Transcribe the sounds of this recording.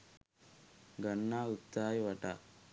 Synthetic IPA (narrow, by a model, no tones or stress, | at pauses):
ɡɐnːaːut̪ːaːjiʋɐʈa